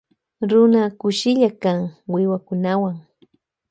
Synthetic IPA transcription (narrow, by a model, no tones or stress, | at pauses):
ɾʊnakʊʃɪʎakaŋwɪwakʊnawaŋ